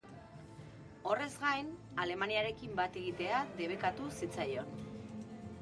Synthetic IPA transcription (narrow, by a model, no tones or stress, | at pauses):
o̞re̞zɡajn | ale̞maniaɾe̞kimbat̪e̞ɣit̪e̞ad̪e̞β̞e̞kat̪usit͡sajo̞n